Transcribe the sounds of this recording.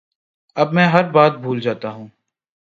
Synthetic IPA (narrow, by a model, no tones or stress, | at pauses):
ɐbmɛ̃ːɦɐɾbaːt̪̚bʱuːld͡ʒaːt̪aɦũː